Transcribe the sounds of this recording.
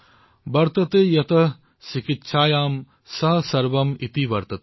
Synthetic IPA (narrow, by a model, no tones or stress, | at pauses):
bɐɾt̪ɐt̪eːjɐt̪ɐ | ʃikit̪ːʃʰaːjaːm | sɐɦɐsɐɾʋɐmit̪iʋɐɾt̪ɐt̪